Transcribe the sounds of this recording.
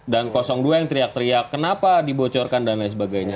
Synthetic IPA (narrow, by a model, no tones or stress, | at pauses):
dankɔsɔŋduajaŋt̪əɾiak̚t̪əɾiakːənapadibot͡ʃɔrkandanajs̬əbaɡajɲa